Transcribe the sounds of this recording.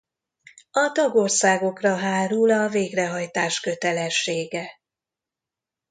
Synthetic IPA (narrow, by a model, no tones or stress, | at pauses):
ɒt̪ɒɡorsaːɡo̞krɒɦaːɾulɒveːɡrɛɦɒjt̪aːʃkø̞t̪ɛlɛʃːeːɡɛ